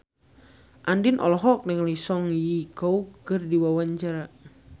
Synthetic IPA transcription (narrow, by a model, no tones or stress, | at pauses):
ʔandinʔɔ̰lɔɦɔk̚nɛŋlisɔŋjikɔukərdiwawaɲt͡ʃaɾa